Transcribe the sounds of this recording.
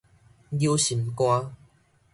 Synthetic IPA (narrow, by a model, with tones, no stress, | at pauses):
ji˧wsi˨˩nkʷɔː˧